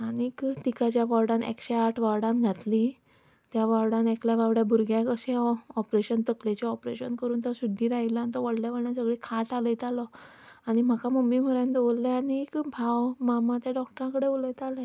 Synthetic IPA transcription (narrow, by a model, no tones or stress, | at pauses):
anikt̪ikat͡ɕjaʋaɾɽãnḛkɕeaʈʰʋaɽãnɡʱat̪li | t̪jaʋaɾɽãnekljaʋaʋɽjabʱuɾɡʱjakəɕeɔpɾeɕənt̪əklet͡ɕaɔpɾeɕənkəɾuːnt̪ɔsud̪ʱːiɾaɦilɔant̪ɔʋəɽ̤ljaʋəɽɳjasəɡɭekʰaʈaləjt̪alɔ | aɽ̃im̤akaməmbim̤əɾə̃nt̪olːeanikbʱawmamãt̪jaɖɔkʈəɾãkəɽeʋoləjt̪alẽ